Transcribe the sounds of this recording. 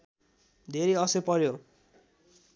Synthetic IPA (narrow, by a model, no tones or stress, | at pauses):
d̪ʱeɾiʌsepʌɾjo